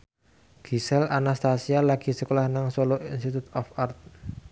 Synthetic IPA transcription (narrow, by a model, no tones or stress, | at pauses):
ɡ̥i̤sɛlʔanast̪asialaɡ̥i̤səkolahnaŋsoloinst̪it̪ut̪ɔfart̪̚